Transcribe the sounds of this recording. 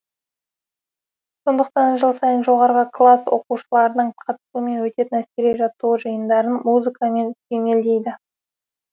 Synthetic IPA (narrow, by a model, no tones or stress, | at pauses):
so̞nd̪əq̚t̪ɑnʒəlˠsɑjənʒo̞ʁɑɾʁəklˠaswo̞̰quʃəlˠɑɾənəɴqʰɑt̪suəme̞nwɵt̪e̞t̪ɪnæskʲeɾeʒɑt̪ːuwəʒɨjənd̪ɑɾənmuzɨkɑme̞nk̪ʲʰeme̞ld̪e̞jd̪ɪ